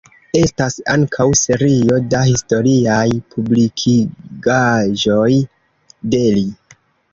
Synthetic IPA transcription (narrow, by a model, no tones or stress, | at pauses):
e̞stasa̰ŋkʰawse̞ɾio̞dahisto̞ɾiajpʰublikʰiɡaʒo̞j | de̞li